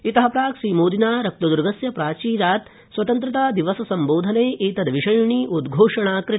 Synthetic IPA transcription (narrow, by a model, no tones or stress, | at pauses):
it̪ɐɦɐpɾaːkʃiːmoːd̪inaːɾɐk̚t̪ɐd̪uɾɡʱɐsjɐpɾaːt͡ʃiːɾaːt̪ | sʋɐt̪ɐnt̪ɾɐt̪aːd̪iʋɐsɐsɐmboːd̪ʱɐneːiːt̪ɐd̪ʋiʂɐjɳiːʔud̪ɡʱoːʂɐɳaːkɾɪ